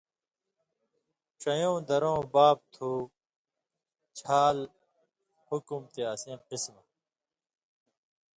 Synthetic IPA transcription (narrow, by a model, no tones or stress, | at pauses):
ɕɐjõːd̪ɐɾõːbaːb̚t̪ʰuː | t͡ɕʰaːl | hukumt̪eɐsẽːqismɐ